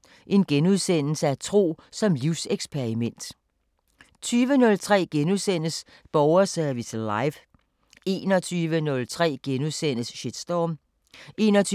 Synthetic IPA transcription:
ʔe̝nɡ̥enuð̞ˠsen̰l̩səæt͡sʰʁo̝̰ːsɒ̽mliʊseɡ̥spʰe̝ʁimen̰d̥ | t͡sʰyːʋənɔ̽lt͡sʰʁɛ̰ːɡ̥enuðˠsen̰əs | b̥ɒʊɐsæɐʋislɑɪʋ | e̝̰ːnɒt͡sʰyːʋənɔ̽lt͡sʰʁɛ̰ːɡ̥enuðˠsen̰əsɕed̥sd̥ɒːm | ʔe̝̰ːnɒt͡sʰː

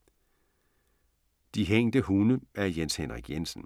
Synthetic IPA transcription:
d̥iɦeŋ̰d̥əhunəæɐjenshenʁiɡ̥jensn̩

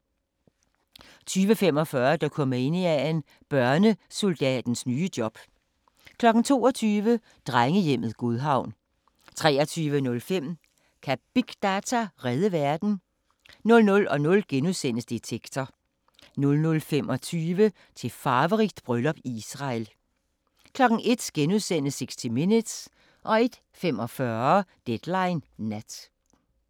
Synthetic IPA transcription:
t͡sʰyːʋəfem̰ɒ̽fɶɐd̥ɑkʰɒ̽məe̝niæen | b̥ɶɐnəso̝ld̥ɛ̰ːd̥n̩snyːəd̥jɒ̽b̥ | kʰlɒ̽ɡ̥n̩t͡sʰo̝̰ːɒ̽t͡sʰyːʋə | d̥ʁaŋəjem̰ð̩ˠɡ̥oðˠɦɑ̈ʊ̰n | t͡sʰʁɛ̰ːɐt͡sʰyːʋənɔ̽lfem̰ | kʰæb̥iɡ̥d̥æt͡sʰæʁɛð̞ˠəʋæɐd̥n̩ | nɔ̽lnɔ̽lɒ̽nɔ̽lɡ̥enuðˠsen̰əsd̥it͡sʰeɡ̥t͡sʰɒ | nɔ̽lnɔ̽lfemɒ̽t͡sʰyːʋə | t͡sʰe̝fɑːʋəʁiɡ̥̚d̥b̥ʁœlɒ̽b̥isʁɑ̈l | kʰlɒ̽ɡ̥n̩ʔe̝d̥ɡ̥enuðˠsen̰əseɡ̥sd̥ʰiminəd̥s | ʔɒ̽e̝d̥ | femɒ̽fɶɐɐd̥ed̥lɑ̈ɪnːæd̥

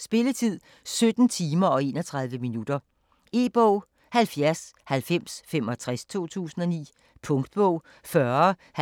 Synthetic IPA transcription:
sb̥e̝lət͡sʰið̞̰ˠ | sød̥n̩t͡sʰiːmɐɒ̽e̝ːnɒt͡sʰʁɑ̈ð̞ˠʋəminud̥ɐ | e̝̰ːb̥ɔʊ̰ | hælfjæɐshælfem̰sfem̰ɒ̽t͡sʰʁast͡sʰo̝̰ːt͡sʰṵːsn̩ɒ̽nḭː | pʰɔ̽ŋd̥̚b̥ɔʊ̰ | fɶɐ | h

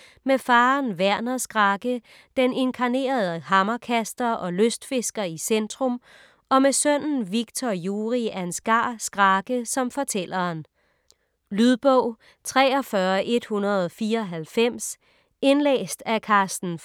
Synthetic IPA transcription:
mefɑ̈ːnʋæɐ̰nɐsɡ̥ʁɑ̈ɡ̥ə | d̥ene̝nkʰɑ̈ne̝̰ːɐð̞ˠəhɑ̈mɐkʰæsd̥ɐʔɒ̽løsd̥fe̝sɡ̥ɐisend̥ʁɔ̽m | ɒ̽mesøn̰n̩ʋiɡ̥̚t͡sʰɒjuːʁiænsɡ̥ɑ̈ːsɡ̥ʁɑ̈ɡ̥əsɒ̽mfɒ̽t͡sʰel̰ɐːn | lyðˠb̥ɔʊ̰ | t͡sʰʁɛ̰ːɒ̽fɶɐʔe̝d̥hunɐð̞ˠɒfiːɐɒɦælfem̰s | e̝nlḛːsd̥ækʰɑ̈ːsd̥n̩

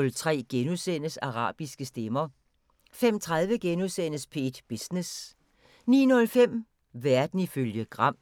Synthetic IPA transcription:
lt͡sʰʁɛ̰ːɡ̥enuðˠsen̰əsɑ̈ʁɑ̰̈ːb̥isɡ̥əsd̥emɐ | femt͡sʰʁɑð̞ˠʋəɡ̥enuðˠsen̰əspʰe̝̰ːd̥b̥isnes | nḭːnɔ̽lfem̰ | ʋæɐd̥n̩iføljəɡ̥ʁɑ̈m̰

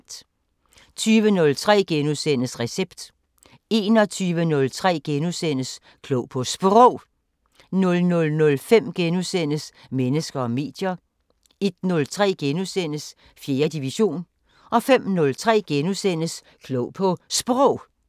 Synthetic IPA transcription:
t͡sʰyːʋənɔ̽lt͡sʰʁɛ̰ːɡ̥enuðˠsen̰əsʁɛseb̥d̥ | e̝ːnɒ̽t͡sʰyːʋənɔ̽lt͡sʰʁɛ̰ːɡ̥enusen̰əs | kʰlɔʊ̰pʰɒ̽sb̥ʁɔʊ̰ | nɔ̽lnɔ̽lnɔ̽lfem̰ɡ̥enusen̰əsmenəsɡ̥ɐɒ̽me̝̰ːd̥jɐ | e̝d̥nɔ̽lt͡sʰʁɛ̰ːɡ̥enusen̰əs | fje̝ːɐd̥iʋiɕo̝̰ːn | ʔɒ̽fem̰nɔ̽lt͡sʰʁɛ̰ːɡ̥enusen̰əs | kʰlɔʊ̰pʰɒ̽sb̥ʁɔʊ̰

